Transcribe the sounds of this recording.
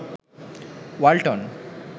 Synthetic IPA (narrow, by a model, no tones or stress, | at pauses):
walʈɔn